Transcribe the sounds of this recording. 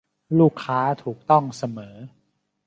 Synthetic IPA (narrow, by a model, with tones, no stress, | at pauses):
luː˥˩kʰːaː˦˥t̪ʰuː˨˩k̚t̪ɔ˥˩ŋsa˧mɤː˩˦